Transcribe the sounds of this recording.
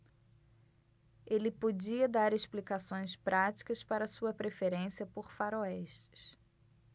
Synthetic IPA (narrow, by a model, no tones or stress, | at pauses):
elɪpod͡ʒiɐd̪aɾeʃplikasõj̃spɾʔat͡ʃi̥kɐspaɾɐːsuɐpɾefeɾẽsiɐpoɾfaɾoɛʃt͡ʃɪ̥s